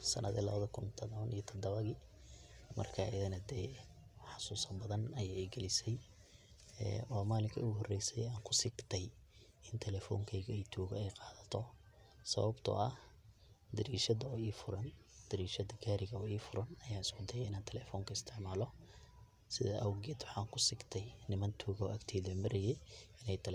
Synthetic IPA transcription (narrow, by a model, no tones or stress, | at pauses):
sɐ̰nʔɐðḭlɐβɐðɐkʰʊnt̪ʰɐðɔɐnijɔt̪ʰɐd̪ɐβɐɣɪ | mɐ̰rkʰaʔɪðɐnɐd̪ɛː | ħɑsuːsɐbɐðɐnɐjaːɛɡɛlɪsɛj | ɛ̰wɑːmaːlɪŋkʰɐʊɣhɔrɛjsɛjaːŋkʰʊsɪɡt̪ʰɛj | ɪnt̪ʰɛlɛːfɔ̰ːŋkʰɛjɣɐɛjt̪ʰuːɣɐɛjqɑːðɐt̪ʰɔ | sɐ̰βɐbt̪ʰɐ̰ɐh | d̪ɐɾiːʃɐðɐɔiːfʊɾɐnd̪̥ɐɾiːʃɐðɐɡaːɾɪɣɐɔiːfʊɾɐnɐjaːɪskʰʊd̪ɐjɛɪnaːnt̪ʰɛlɛːfɔːŋkʰɐɪst̪ʰɪʕmaːlɔ | sɪðɐʔɐwɡɛːd̪wʊħɑːŋkʰʊsɪɡt̪ʰɛjnɪmɐnt̪ʰuːɣɔ̰ːʔɐɡt̪ʰɛːðɛmɐɾɛjɛɪnɛjt̪ʰlɛ